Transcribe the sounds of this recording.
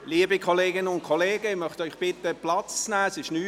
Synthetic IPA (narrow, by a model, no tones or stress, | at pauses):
liːəbikʰɔleːɡɪnəʊntkʰɔleːɡəɪmœχt̪œʏχb̥ɪt̪əplɑt͡st͡snæːsɪʃnyː